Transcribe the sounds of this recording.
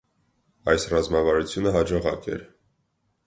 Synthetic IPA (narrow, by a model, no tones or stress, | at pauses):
ɑjsrɑzmɑvɑɾut͡sʰjunəɦɑd͡ʒɔʁɑ̰kɛ̰ɾ